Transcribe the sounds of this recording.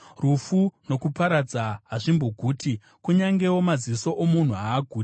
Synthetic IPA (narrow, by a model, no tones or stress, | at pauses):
rufuno̞kupaɾad͡zaɦaʐimbo̞ɡʱuːtʰi | kuɲaŋɡewo̞maziso̞ʔomun̤uaːɡʱuːt